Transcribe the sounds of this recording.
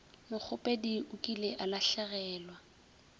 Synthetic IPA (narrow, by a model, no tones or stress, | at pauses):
lɪk͡xʰʊpʼediʊkʼilɪʔalaɬaɣɛːlwa